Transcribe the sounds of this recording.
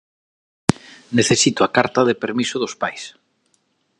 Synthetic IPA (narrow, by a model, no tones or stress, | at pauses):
neθesit̪ʊakaɾt̪ɐðepeɾmisʊðʊspajs